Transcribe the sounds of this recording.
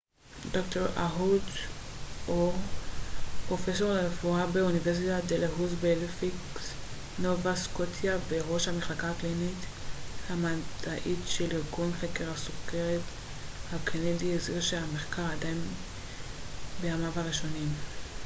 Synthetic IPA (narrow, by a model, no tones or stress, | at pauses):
dokto̞ʁaɦud | ʔo | pʁo̞fes̬o̞ʁʁefuabe̞univeʁs̬itadeleɦuzbelfiks | novaskotjaveʁo̞ʃhameχlakaːklinithamadaʔitʃeliʁɡunχekeʁhasokeʁet | hakʰenedieziʁʃeameχkaʁadajn | beamavaʁiʃo̞nim